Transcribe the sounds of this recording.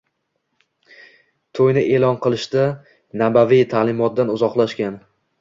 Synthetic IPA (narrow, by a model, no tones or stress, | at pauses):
t̪ʰojnɪʔe̞lˠɒnqɨlˠɪʃd̪a | nabavijt̪ʰalˠɪmɒt̪̚d̪anʊzɒqlˠaʃkʲan